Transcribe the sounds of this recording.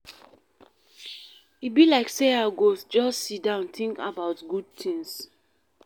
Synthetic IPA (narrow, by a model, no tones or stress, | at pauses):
ibilaɪkseaɡod͡ʒɔstsit̚dãʊ̃nt̪ĩŋka̰baʊtɡud̚tʰĩŋs